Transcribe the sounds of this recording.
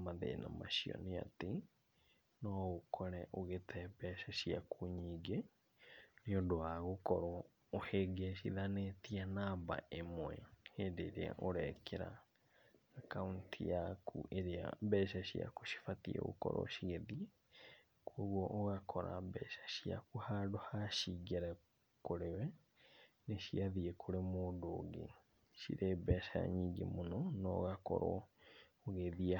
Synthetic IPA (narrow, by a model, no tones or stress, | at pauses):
maðḛnamaʃiɔ̰nea̰te | nɔɣokʰɔɾɛʔoɣetʰɛbɛʃaʃiakʰuɲiɡe | niodowaɣokɔɾɔː | heɡeʃ̬iðanetianaba̰ʔemwɛheːndeːɾea̰ʔoɾɛkʰɛɾa̰ː | kauntʰijakʰṵʔeɾea̰bɛʃaʃia̰koʃi̥fatiɛ̰ɣo̰kɔɾɔ̰ʃiɣeðie | koɣwɔʔːɣakʰɔɾa̰bɛʃḁʃia̰kuhadohaʃiɣeɾɛ | koɾewɛ | neʃiaðiekʰoɾemoːndoːɡḛ | ʃḭɾeːbɛʃaa̰ɲiːŋɡḛmonɔnɔ̰ːɣakɔ̰ɾɔ | oɣeðia